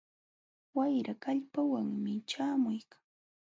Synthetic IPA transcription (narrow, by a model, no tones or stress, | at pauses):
wajɾakaʎpawaŋmɪt͡ʃaːmʊjkʰḁŋ